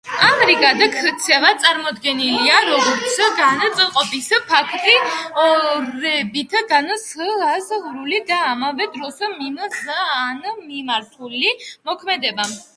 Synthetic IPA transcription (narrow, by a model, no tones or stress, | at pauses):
amɛɾikʼad̪akʰt̪sʰɛlat̪sʼaɾmɔd̪ɡɛniliaɾɔɡɔɾt̪sʰɡanat̪sʼɛlˠqʼɔpispʰakʰt̪ʼiɔɾɛbit̪ʰɡanasasɾulid̪aːmavɛd̪ɾɔsmimanmimaɾt̪ʰulimɔkʰmɛd̪ɛba